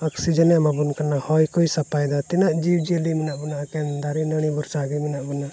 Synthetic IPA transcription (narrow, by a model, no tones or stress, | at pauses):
ɔksid͡ʒənjamabunkanahɔjkɔisɐpajd̪at̪ɛnaʔd͡ʒiwd͡ʒelimɛnaʔbunaʔkɛnd̪aɾinəɽ̃ibɔɾt͡ʃaɡimɛnaʔbɔna